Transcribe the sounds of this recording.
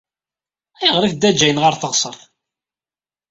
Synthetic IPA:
æjəʁɾəfd̪æd͡ʒːæjənʁəɾθəʁsˤəɾˤθ

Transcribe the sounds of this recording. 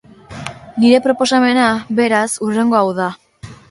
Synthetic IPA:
niɾe̞pɾo̞po̞s̬ame̞naβe̞ɾasure̞ŋɡo̞awða

